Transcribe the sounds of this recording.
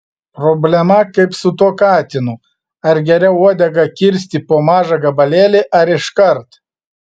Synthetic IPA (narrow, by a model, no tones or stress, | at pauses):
pɾɔbʲlʲɛmɐkɐɪpsʊt̪uɔkɑːt̪ʲɪnʊ | ɐɾɡʲɛɾʲɛʊuɔd̪ʲɛɡɐkʲɪɾʲsʲt̪ʲɪpoːmɑːʒɑɡɐbɐlʲeːlʲeʔɐɾɪʃkɐɾt̪